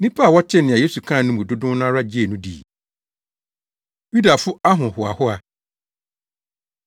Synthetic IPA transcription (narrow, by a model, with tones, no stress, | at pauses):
nĩ˦pʰa˦a˨wɔ˦t͡ɕʰɛ˦nɪ̃˨a˨je˦su˨kʰã˦˨nʊ̃˦mũ˨dʊ˦dʊ̃˦nã˦ɾa˦d͡ʑi˦e˨nũ˦dḭ˨ | ju˦da˨fʊ˦a˦ɦʊ̃˨hʊ˨a̰˨hʊ˦a˨